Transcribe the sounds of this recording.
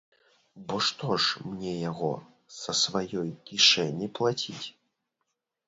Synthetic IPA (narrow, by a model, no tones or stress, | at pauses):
bɔʂt̪ɔʂmnʲɛjaɣɔ̰ | sɐsvajɔjkʲiʂɛnʲːiplˠat͡sʲit͡sʲ